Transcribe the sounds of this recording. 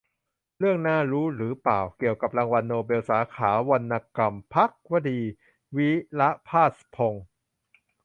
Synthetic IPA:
ɾɯ˥˩əŋnaː˥˩ɾuː˦˥ɾɯː˩˦paː˨˩wki˨˩əwka˨˩p̚laː˧ŋwa˧nːoː˧be˧wsaː˩˦kʰaː˩˦wa˧nːaː˧ka˧mpʰa˦˥k̚wa˧diː˧ | wi˦˥la˦˥pʰaː˥˩spʰo˧ŋ

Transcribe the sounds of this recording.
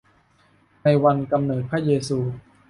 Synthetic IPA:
na˧jwa˧nka˧mnɤː˨˩t̪̚pʰɾaː˥˩jeː˧suː˧

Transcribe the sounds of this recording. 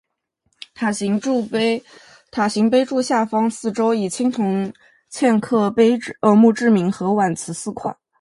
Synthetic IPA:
t̪ʰa˨˩ɕi˧˥ŋ˥˧ | t̪ʰa˨˩ɕi˧˥ŋpe˥ɪʈ͡ʂu˥˧ɕja˥˩fɑ˥ŋsɹ̩˥˩ʈ͡ʂo˥ʊi˨˩t͡ɕʰi˥ŋt̪ʰʊ˧˥ŋ | t͡ɕʰjɛ˥˧nkʰɤ˥˩pe˥ɪ˥ə˧˥mu˥˧ʈ͡ʂɻ̩˥˩mi˧˥ŋxɤ˧˥wa˨˩nt͡sʰɹ̩˧˥sɹ̩˥˧kʰwa̰˨˩˦

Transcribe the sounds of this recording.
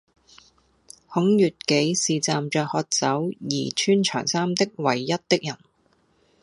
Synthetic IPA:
hʊ˨˥ŋjyː˨t̚ke˨˥jsiː˨t͡saː˨mt͡ʃœː˧k̚hɔː˧k̚t͡sɐ˨˥wjḭː˨˩t͡ʃʰyː˥nt͡ʃʰœː˨˩ŋsaː˥mt̪ɪ˥k̚wɐ˨˩jːɐ˥t̚t̪ɪ˥k̚jɐ˨˩n

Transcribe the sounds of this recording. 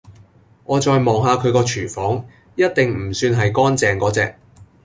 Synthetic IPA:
ŋɔː˨˧t͡ʃɔː˧jmɔː˨ŋɦaː˧kʰɵ˨˧ɥkɔː˧t͡ʃʰyː˨˩fɔː˨˥ŋ | jɐ˥t̚t̪ɪ˨ŋm̩˨˩syː˧nɦɐ˨jkɔː˥nt͡sɛː˨˧ŋkɔː˨˥t͡sɛː˨k̚

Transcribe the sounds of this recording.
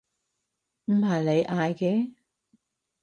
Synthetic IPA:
m̩˨˩haː˨˩jle˨˧jʔaː˧jkɛː˧˥

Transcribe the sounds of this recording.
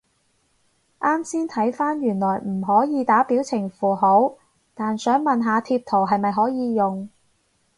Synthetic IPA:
ʔaː˥msiː˥nt̪ʰɐ˨˥jfaː˥njyː˨˩nlɔː˨˩jm̩˨˩ɦɔː˨˥jiː˨˧t̪aː˨˥piː˨˥wt͡sʰɪ˨˩ŋfuː˨˩ɦo˨˥w | t̪aː˨nsœː˨˥ŋmɐ˨nɦaː˨˧t̪ʰiː˧p̚t̪ʰo˨˩wɦɐ˨jmɐ˨jɦɔː˨˥jiː˨˧jʊ˨ŋ

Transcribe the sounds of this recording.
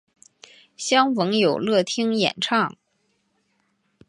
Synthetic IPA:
ɕjɑ˥ŋwɤ˧˥ŋjo˨˩ʊlɤ˥˩t̪ʰi˥ŋjɛ̰˨˩nʈ͡ʂʰɑ˥˩ŋ

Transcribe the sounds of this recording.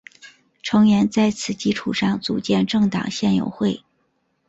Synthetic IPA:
ʈ͡ʂʰɤ˧˥ŋjɛ˧˥nt͡sa˥˩ɪt͡sʰɹ̩˥˩t͡ɕi˥ʈ͡ʂʰu˨˩ʂɑ˥˩ŋt͡su˨˩t͡ɕjɛ˥˧nʈ͡ʂɤ˥˩ŋt̪ɑ̰˨˩ŋɕjɛ˥˩njo̰˧˥ʊxwe˥˩ɪ

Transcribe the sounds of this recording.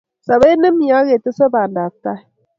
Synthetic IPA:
sa˨βe˦nɨ˦mi˨a˨˦ɣe˨tɨ˦sə˦ba˨n˨da˨b̚ta˦˨

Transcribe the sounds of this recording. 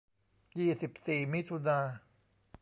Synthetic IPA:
jiː˨˩si˨˩p̚siː˨˩mi˦˥t̪ʰu˧naː˧

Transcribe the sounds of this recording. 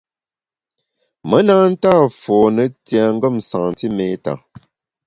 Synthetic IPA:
mə˦naː˦n̩˦taː˦˨fɔː˨nə˨tja˨ŋ̩˦ɡə˦˨msa˨ŋn˨ti˦me˨˦ta̰˨

